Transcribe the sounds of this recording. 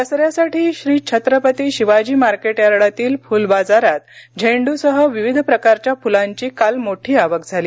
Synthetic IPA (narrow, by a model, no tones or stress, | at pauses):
t̪əsɾjasaʈʰiːɕɾiːt͡ɕʰət̪ɾəpət̪iːɕiʋad͡ʑiːmaɾkeʈjaɾɽat̪iːlfulbad͡zaɾat̪d͡ʑʱẽɳɖusəɦəʋiʋid̪ʱpɾəkaɾt͡ɕjafulãɲt͡ɕiːkalmoʈʰiːaʋəkd͡zʱaliː